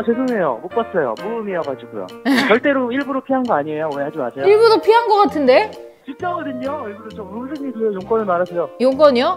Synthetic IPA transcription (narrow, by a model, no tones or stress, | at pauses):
ases̬ʰoŋejo̰mok͈ʌs͈ʌjo̰muɾɯmiaɡoɦad͡ʑiɡujo̰t͡ɕʌɭt͈e̞ɾoiɭbuɾopʰiɦanɡʌaɲiejoehad͡ʑima̰sʰeoiɭbuɾopʰiɦanɡʌk͈atʰɯnde̞ | t͡ɕik̚t͡ɕ͈ʌɡʌdɯɲoiɭbuɾot͡ɕ͈omousʰɯŋid͡ʑueojoŋk͈ʌnɯmaɾasʰʌjojoŋk͈ʌɲo